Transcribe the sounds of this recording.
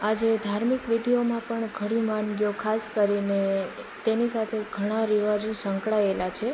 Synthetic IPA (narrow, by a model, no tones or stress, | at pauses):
ad͡ʒed̪ʱaɾmikʋid̪ʱijomãpəɳɡʱəɽimanɡjokʰaskəɾine | t̪enisat̪ʰeɡʱəɽ̃ãɾiʋad͡ʒũsəŋkɭaelat͡ʃʰe